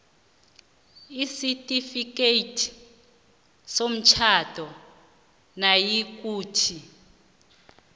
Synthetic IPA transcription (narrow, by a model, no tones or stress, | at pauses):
isitʼifik̬ʼetʰʼ | som̩t͡ʃʰadʱʼɔ | najik̬ʼuːtʰi